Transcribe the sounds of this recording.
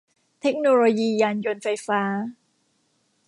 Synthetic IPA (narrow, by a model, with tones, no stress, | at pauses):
t̪ʰe˦˥k̚noː˧loː˧jiː˧jaː˧njo˧nfa˧jfaː˦˥